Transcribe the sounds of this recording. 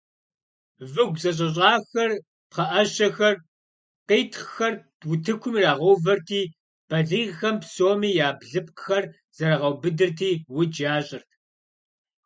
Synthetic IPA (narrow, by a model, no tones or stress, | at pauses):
vɨɡʷzɐɕ̬ʼɐɕ̬ʼɑːxɐr | pχɐʔɐɕɐxɐr | qeːtʰχxɐrtwʊtʰɨkʷʰʊmiːraːʁɐwvɐrtʰiː | b̥ɐɮiːʁxɐmpsoːmiːjaːbɮɨp̚qxɐr | z̥ɐɾɐʁɐwbɨdɨrtʰiːwʊd͡ʒaːɕʼɪrtʰ